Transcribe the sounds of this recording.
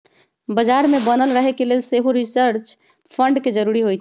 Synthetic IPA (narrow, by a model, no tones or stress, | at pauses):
bəd͡ʒaɾmebənəlɾəɦɛkelelseɦuɾisəɾt͡ʃ | pʰəɳɖked͡ʒəɾuɾiɦojt͡ʃʰ